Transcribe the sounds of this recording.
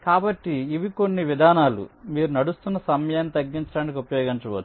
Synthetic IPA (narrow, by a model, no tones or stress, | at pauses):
kaːbɐʈːiːʋiko̞nːiʋid̪ʱaːnaːlṵmiːɾunɐɽust̪unːɐsɐmɐjaːnːit̪ɐɡːiɲt͡ʃɐɽaːnikʲiupɐjoːɡɐnt͡ʃɐʋɐt͡ʃ̪ː